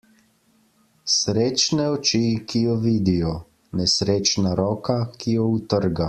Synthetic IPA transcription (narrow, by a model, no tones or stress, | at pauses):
sɾeːt͡ʃnɛɔt͡ʃikʰijɔʋiːd̪ijɔ | nɛsɾeːt͡ʃnaɾɔːkakijɔut̪əɾɡa